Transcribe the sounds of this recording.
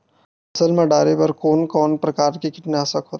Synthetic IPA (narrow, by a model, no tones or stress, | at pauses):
ɐsəlmɐɖaːɾepɐɾkoːnkɔːnpɾɐkaːɾkekɪt̪naɦɐsɐkɦoːt̪ː